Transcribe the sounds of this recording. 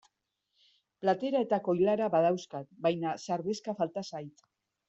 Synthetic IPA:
plat̪e̞ɾae̞t̪ako̞jlaɾaβaðawskat̪bajnasaɾβeskafalt̪asajt̪

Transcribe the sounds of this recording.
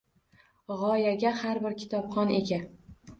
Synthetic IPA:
ʁɒjaɡʲahaɾbɪɾkʲʰɪ̥t̪ʰɒpχɒnḛɡʲa

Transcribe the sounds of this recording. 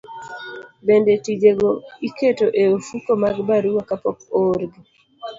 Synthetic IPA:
bendetid͡ʒeɡoiketoʔeofukomaɡbaɾuwakapɔkoɾɡi

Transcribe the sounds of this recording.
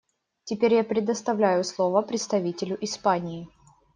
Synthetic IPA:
tʲɪpʲeɾʲjapɾʲɪd̪əst̪ɐvlʲæjʊslˠovəpɾʲɪt̪st̪ɐvʲitʲɪlʲʊʔɪspanʲɪː

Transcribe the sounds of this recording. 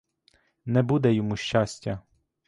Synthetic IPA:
nɛbud̪ɛjɔmuʃt͡ʃasʲtʲːɐ

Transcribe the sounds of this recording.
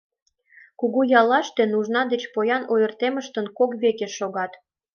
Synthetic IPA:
kuɣujɑlɑʃt̪enuʒnɑd̪et͡ɕpojɑnojərt̪eməʃt̪ə̆nkokβekeʃoɣɑt̪

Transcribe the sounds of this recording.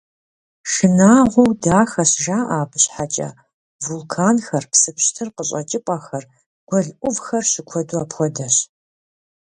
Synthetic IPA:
ʂɨnaːʁʷɔwdaːxɐɕʒaːʔaːbʰɨɕħat͡ʃʼɐ̰ | vulkʰaːnxɐrpsɨpɕtʰɨrqəɕʼɐt͡ʃʼɪpʼaxɐr | ɡ̥ʷɔɮʔʷʊvxɐrɕɪkʷʰɔduaːpxʷɔdɐɕ

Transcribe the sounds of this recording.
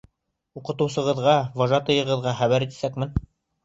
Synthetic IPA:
uqɤ̆t̪ɤ̆wsɤ̆ʁɤ̆ðʁɑwɑʒɑt̪ɤ̆jɤ̆ʁɤ̆ðʁɑχæβæɾɘt̪i̥sækmɘn

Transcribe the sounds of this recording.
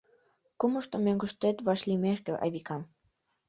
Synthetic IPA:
kuməʃt̪omøŋɡuʃt̪et̪βɑʃlimeʃkĕʔɑ̰jβikɑm

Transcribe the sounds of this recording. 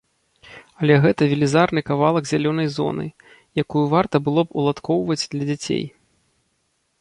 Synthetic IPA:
ɐlʲɛɣɛt̪ɐvʲilʲizarnɨkavalˠɐɡzʲalʲɔn̪ɐjzɔ̰nɨ̰ | jakujuvart̪ɐbɨlˠɔpṵlˠat̪kʰɔwvɐd͡zʲd̪lʲɐd͡zʲat͡sʲḛj

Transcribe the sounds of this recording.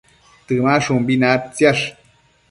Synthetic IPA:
t̪ɨmaʂumbinap̚t͡sjaʂ

